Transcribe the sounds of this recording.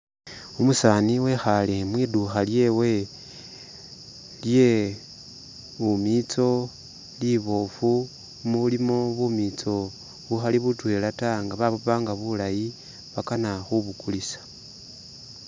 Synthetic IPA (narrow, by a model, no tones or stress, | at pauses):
umusaniwe̞xalemwiːduxalje̞we̞ | lje̞ | umit͡so̞ | liβo̞fu | muβulimoβumit͡so̞ | βuxaliβutwe̞ːlataŋɡaβaβoβaːŋɡaβulaji | βakanaxuβukulisḁ